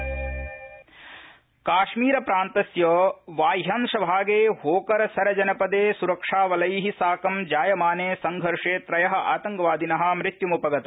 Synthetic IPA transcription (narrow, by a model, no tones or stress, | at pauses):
kaːʃmiːɾɐpɾaːnt̪ɐsjɐʋaːjɦanʂɐbʱaːɡeːɦoːkɐɾɐsɐɾɐd͡ʒɐnɐpɐd̪eːsuɾɐkʂaːʋɐlɐjiɦisaːkɐmd͡ʒaːjɐmaːneːsɐŋɡʱɐɾʂeːt̪ɾɐjɐɦɐ̆ʔaːt̪ɐŋɡɐʋaːd̪inɐɦɐ̆mɾɪt̪jumupɐɡɐt̪ɐ